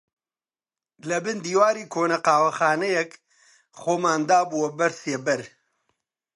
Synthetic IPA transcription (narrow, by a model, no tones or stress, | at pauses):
lɐbɨnd̪iːwaːɾiːkʰoːnɐqaːwɐxaːnɛjɛk | xoːmaːnd̪aːbuwɐbɐɾseːbɐɾ